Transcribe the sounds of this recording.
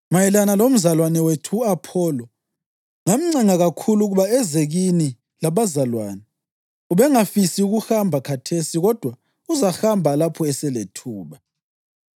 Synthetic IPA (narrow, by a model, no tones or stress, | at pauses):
majɛlanalom̩zalwanɛwetʰuapʰɔːlɔ | ŋam̩ŋ͡ǀɛŋaɣakʰuluɣuβaɛzeɣini | laβazalwaːnɛ | uβɛŋafisiuɣuxambʱakʰatʰesiɣɔd̥ʱwa | uzaxambʱalapʰɔɛsɛletʰuːβa